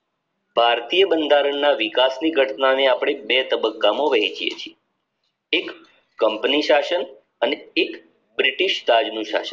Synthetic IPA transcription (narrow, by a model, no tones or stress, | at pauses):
bʱaɾt̪ijəbənd̪ʱaɾəɳnaʋikasniɡʱəʈnaneapɽ̃ebet̪əbəkːamõʋəɦit͡ʃʰijḛt͡ʃʰie | ekː | əmpniʃaʃən | əneːk | bɾiʈiʃt̪ad͡ʒnũʃa̰ʃən